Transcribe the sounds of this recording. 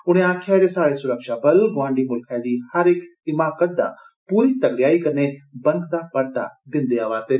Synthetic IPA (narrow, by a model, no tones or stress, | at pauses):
ʊɽ̃ẽaːkʰjaɾesaːɽesʊɾəkʃabɐlɡʋãːɳɖimʊlkʰad̪iːhɐɾɪkɪmaːkət̪̚d̪a̰ | puːɾit̪ɐɡɽjaːikɐɾnebɐ̃ŋkd̪apɐɾt̪a̰d̪ɪ̃nd̪eaʋaːt̪e